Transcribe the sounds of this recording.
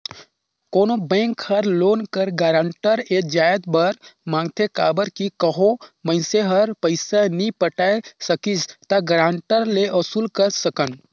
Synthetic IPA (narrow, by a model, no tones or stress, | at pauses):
koːnobɛ̃ːŋkhəɾloːnkəɾɡaːɾãːɳʈəɾeːd͡ʒaːjəd̪bəɾmãːŋɡt̪ʰekaːbəɾkikəɦomə̃ɪseɦəɾpəɪsanĩpəʈaesəkist̪aɡɾãːɳʈəɾleʔɐsulkəɾsəkən